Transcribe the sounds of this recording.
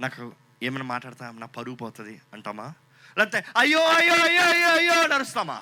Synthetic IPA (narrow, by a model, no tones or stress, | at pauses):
naːku | eːmeːnmaːʈːaːɽt̪aːmnaːpɐɾuːpɐːt̪ɐd̪iɐɳʈaːmːaː | lɐt̪ːeɐjːoːɐjːoɐjːoːɐjoːɐjːoːnɐɾust̪aːma̰ː